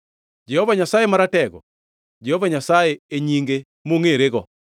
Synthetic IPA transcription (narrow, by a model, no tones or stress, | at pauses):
d͡ʒɛhovaɲasajemaɾatɛɡɔ̰ | d͡ʒɛhovaɲasajeeɲiŋɡe | moŋeɾeɡɔ̰